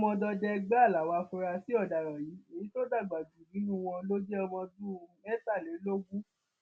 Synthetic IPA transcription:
mɔ̃˧dɔ˧dɛ˧ɡ͡ba˦˨la˨wa˧fɔ˧ɾa˧si˦ɔ˦˨da˨ɾa˨ji˨˦e˨ĩ˦to˦da˦˨ɡ͡ba˨d͡ʒu˨nĩ˨˦nũ˦˧w̃ɔ̃˧lo˦d͡ʒɛ˦ɔ˧mɔ̃˧du˦˧ɛ˦sa˦˨le˨˦lo˦ɡũ˦

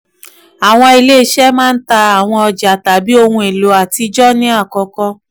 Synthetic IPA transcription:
a˨w̃ɔ̃˧i˧le˦ʃɛ˦mãː˦n̩˦ta˧a˨w̃ɔ̃˧ɔ˧d͡ʒa˨ta˨bi˦o˧hũ˧e˨lo˨a˨ti˧d͡ʒɔ˦nĩ˦a˦˨kɔ˧kɔ˧

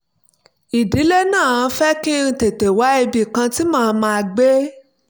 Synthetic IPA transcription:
i˨di˨˦le˦nãː˦˨˧fɛ˦kĩ˦˧te˨te˨wa˨˦e˧bi˦˨kã˧ti˦mãː˦˧˦mã˧a˧ɡ͡be˦

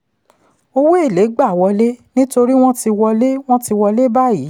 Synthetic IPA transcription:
o˧we˦e˦˨le˨˦ɡ͡ba˦˨wɔ˧le˦nĩ˦to˧ɾi˦w̃ɔ̃˦ti˧wɔ˧le˦w̃ɔ̃˦ti˧wɔ˧le˦ba˦ji˨˦

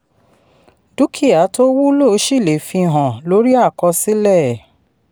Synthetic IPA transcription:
du˦kʰi˦˨a˨˦to˦wu˦lo˦˨˦ʃi˦˨le˨˦fĩ˧˨ɦɔ̃˨lo˨˦ɾi˦a˦˨kɔ˧si˦lɛ˦˨

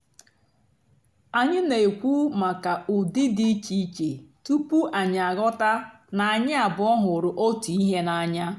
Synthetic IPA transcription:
a˨ɲɪ˦ne˨e˨kʷu˦ma˨ka˨ʔʊ˨dɪ˦di˦t͡ʃi˦t͡ʃe˨tu˦pu˦ʔa˨ɲ˨a˨ɣɔ˦ta˦ | na˨a˨ɲɪ˦a˨bʊ˨ɔ˦ɦʊ˨ɾʊ˨ʔo˦tu˨i˦ɦe˦na˨ɲa˦

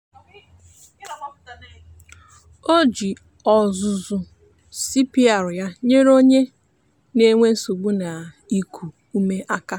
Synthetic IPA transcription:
o˦d͡ʒi˨ | ɔ˨zʊ˨zʊ˨ | si˦pi˦a˨ɾʊ˨ja˦ɲe˦ɾo˦ɲe˦ | ne˦ŋʷe˦n̩˦su˨ɡ͡bu˦na˨ | i˦kʰu˨ | u˦me˦ʔa˦ka˦

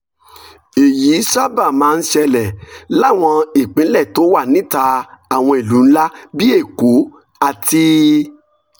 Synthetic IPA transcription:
e˨ji˨˦sa˦ba˦˨mãː˨˦˧n̩˦ʃɛ˧lɛ˨la˦˨w̃ɔ̃˧i˨k͡pĩ˨˦lɛ˦˨to˨˦wa˦˨nĩ˦ta˧a˨w̃ɔ̃˧i˨lu˨˦n̩˦la˦bi˦e˦˨ko˨˦ | a˧ti˧

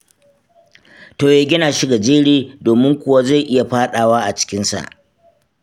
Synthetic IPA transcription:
toː˨jaː˨ɡʲɪ˦naː˨ʃi˦ɡa˨d͡ʒeː˦ɽiː˦doː˨mɪ˦ŋkʷʊ˨wa˦za˦˨jʔɪ˦ja˨ɸaː˦ɗaː˨waː˦ʔa˨t͡ʃɪ̥˦kʲɪ˦nsa̰˨ʔ

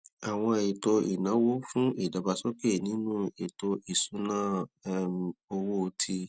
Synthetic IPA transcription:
a˨w̃ɔ̃˧e˨to˧i˨nã˨˦wo˦fũ˦e˨da˨ba˧sɔ˦ke˦˨nĩ˨˦nũ˦e˨to˧ʔi˨su˨˦nãː˦m˧o˧wo˦o˧tʰi˧

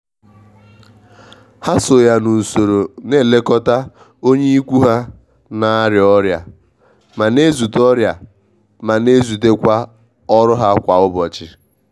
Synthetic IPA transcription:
ha˦so˨ja˨nu˨n̩˨so˨ɾo˨ne˦˨le˦kɔ˦ta˦ | o˦ɲe˦i˦kʷu˦ɦa˦ | na˦ɾjɔ˦ɾja̰˨ | ma˨ne˦zu˨tɔ˦ɾja˨ | ma˨ne˦zu˨te˦kʷa˦ | ɔ˦ɾʊ˦ɦa˦kʷa˨ʊ˦bɔ˨t͡ʃɪ˨

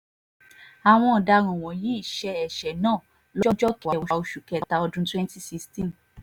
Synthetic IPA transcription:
a˨w̃ɔ̃˧ɔ˨da˧ɾ̃ɔ̃˨w̃ɔ̃˨ji˦i˦˨ʃɛ˧ɛ˨ʃɛ˨nãː˦˨ | lɔ˦d͡ʒɔ˦tɔ˨a˧ɔ˧ʃo˧ʃu˨kɛ˨˧ta˧ɔ˧dũ˦twɛ̃˦nti˦si˦˧stĩ˦˨n

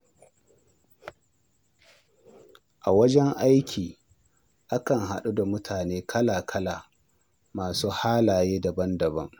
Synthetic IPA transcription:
ʔa˨wɐ˦d͡ʒɛ˦ŋʔa˦jkʲʰiː˨ | ʔa˦kɐ˨ŋɦa˨ɗu˦da˨mʊ˦tʰaː˨neː˦kʰɐ˦laː˨kʰɐ˦laː˨ | maː˨suː˦haː˦laː˨jeː˦da˨bɐ˦ndɐ˨bɐ˦ŋ

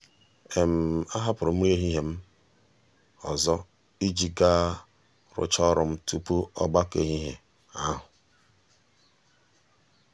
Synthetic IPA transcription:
e˨m̩˨a˦ɦa˦pʊ˨ɾʊ˨m̩˦ɾe˦ɦi˦ɦe˨m̩˦ | ɔ˨zɔ˦ | i˦d͡ʒi˨ɡa˦ | ɾʊ̰˦t͡ʃɔ˦ɾʊ˨m̩˦tu˦pu˦ɔ̰˦ɡ͡ba˦ke˨ɦi˦ɦe˨ | a˦ɦʊ˨

